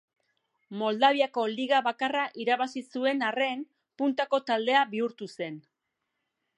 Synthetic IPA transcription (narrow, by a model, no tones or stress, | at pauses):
mo̞ld̪aβ̞iako̞liɣaβakaraʔiɾaβasisue̞nare̞n | punt̪ako̞t̪ald̪e̞aβiuɾt̪use̞n